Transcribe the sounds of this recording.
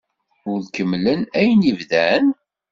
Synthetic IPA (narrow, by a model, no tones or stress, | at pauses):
ʊɾðkəmlənæjnivðæn